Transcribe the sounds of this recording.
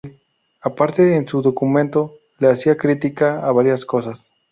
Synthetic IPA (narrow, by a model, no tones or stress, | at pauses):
apaɾt̪eːnsuðo̞kumẽnt̪o | leasiakɾit̪ikaːβaɾjaskosas